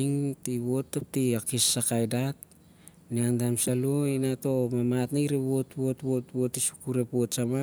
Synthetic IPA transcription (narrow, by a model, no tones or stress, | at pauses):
iŋtiβo̞tːap̚tiakisːakajdat̚ | niantamsaluinato̞mamatnaɾeβo̞tβo̞tbo̞tβo̞tisu̥kuɾe̞po̞tsama